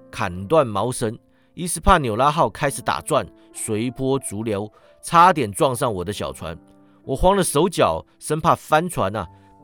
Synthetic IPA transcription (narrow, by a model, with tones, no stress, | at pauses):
kʰa˨˩nt̪wa˥˩nmɑ˧˥ʊʂə˧˥n | i˥˩sɹ̩˥˧˩pʰa˥˩njo˨˩ʊla˥xɑ˥˩ʊkʰa˥ɪʂɻ̩˨˩t̪a̰˨˩t͡swa˥˩n | swe˧˥ɪpʰwɔ˥t͡su˧˥ljo˧˥ʊ | t͡sʰa˥t̪̬jɛ˨˩nt͡swɑ˥˧ŋʂ̬ɑ˥˩ŋwɔ˨˩d̪ə˦ɕjɑ̰˨˩ʊt͡sʰwa̰˧˦n | wɔ˨˩xwɑ˥ŋlə˨ʂo˧˥ʊt͡ɕjɑ˨˩ʊ | ʂə˥npʰa˥˩fa˦nt͡sʰwa˧˥nɐ̰˨